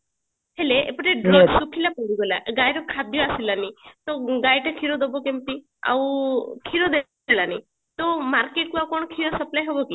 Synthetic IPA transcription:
heleḛpɔʈeɖɾesukʰilapɔɽiɡɔlaʔɡajɾɔkʰad̪ʱjɔasilanit̪ɔɡajʈakʰiɾɔd̪ɔbɔkemt̪i | a̰wkʰiɾɔd̪e | alani | t̪ɔmaɾkeʈkuawkɔɽ̃ɔkʰiɾɔsɔplajɦobɔki

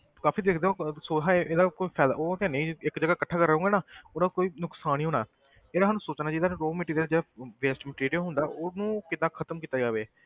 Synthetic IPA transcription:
kaːpʰiːd̪eːkʰd̪eːõːsoːɦaʔeːd̪aːkoiːpʰɛːd̪a̰oːk̪ɛːneːɪkd͡ʒəɡaːkəʈʰːaːkəɾəũːŋɡaːnaːʊnãːkoːiːnʊksaːniːɦoːnaː | eːd̪aːɦaːnũːsoːt͡ʃnaːd͡ʒɪd̪ãːɾoːmɪʈiːd̪eːad͡ʒeːɽaːʋeːsʈməʈiːɾijɦʊ̃nd̪aːʔonũːkɪd̪ãːkʰət̪əmkiːt̪aːd͡ʒaːʋeː

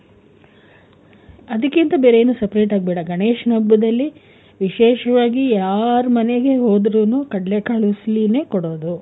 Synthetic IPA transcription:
ɐd̪ɐkːint̪ɐbe̞ːɾejeːnusepɾe̞ːʈaːɡ̚bɛːɽɐɡɐɳeːʃɐnɐbːɐd̪ɐlːi | ʋiʃɛːʃɐʋaːɡijaːɾmɐneɡe̞ɦo̞ːd̪ɾuːnukɐɽlekaːɭusline̞ːkɔɽo̞ːd̪u

